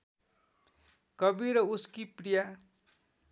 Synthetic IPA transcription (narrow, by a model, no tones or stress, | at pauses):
kʌbiɾʌuskiprija